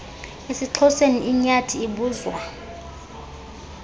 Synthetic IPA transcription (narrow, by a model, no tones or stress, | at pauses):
esiǁʰɔseniʔiɲatʰiiɓuːzwa